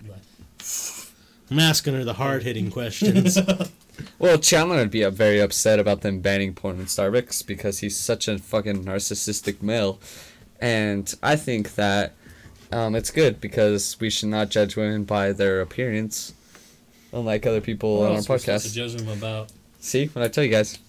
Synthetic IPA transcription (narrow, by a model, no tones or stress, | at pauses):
mæskɨ̃nə˞ðəhɑɹd̚hɪɾɪ̃ŋkʰw̥ɛst͡ʃɨ̃z | wʔɛlˠt͡ʃʰælˠə̃nəd̚biʌvɛɹiʌpsɛɾɨbaʊt̪̚ðɨ̃mbæ̃ɾ̃ɪ̃ŋpʰɔ̃ɪ̃nɨ̃nstɑɹbɨksb̥ɨkʰʌz̥iz̥sʌt͡ʃɨfʌkɨ̃nnɑɹsɨsɪstɨk̚meɪlˠ | ɨ̃nʔa̰ɪθɪ̃ŋk̚ðɨt̚ʔʌ̃mɨtsɡ̥ʊd̚bɨkʰʌz̥wiʃɨdⁿnət̚d̥ʒ̥ʌ̥d͡ʒwɪ̃mɨ̃nbaɪðə˞ɨpʰɪɹɨ̃ns | ʔə̃nlaɪkʌðə˞pʰipl̩ˠə̃naʊəpʰɑd̚kʰæsd͡ʒʌzɨ̃məbaʊt̚ | siwə̃naɪtʰɛlˠjɨɡaɪz̥